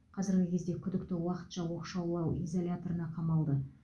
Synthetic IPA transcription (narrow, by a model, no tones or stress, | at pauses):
qʰɑzɪɾɡʲɪkʲʰe̞zd̪e̞kʲʰʏd̪ɪk̚t̪ɪwɑqə̥t̪ʃɑwo̞qʃɑwlˠɑwizo̞lʲat̪o̞ɾənɑqʰɑmɑlˠd̪ə